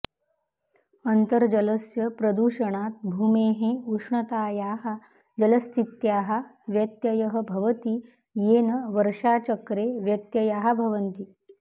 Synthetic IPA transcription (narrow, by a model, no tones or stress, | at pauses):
ənt̪əɾd͡ʑɐləsjɐpɾəd̪uʂəɳ̃aːt̪̚bʱuːmeːɦẽuʂɳɐt̪aːjaːɦa | d͡ʒələst̪ʰit̪jaːɦa | ʋjɐt̪jɐjəɦəbʱɐʋət̪iː | jeːnəʋəɾʂat͡ɕəkɾeʋjɐt̪jɐjaɦabʱɐʋənt̪iː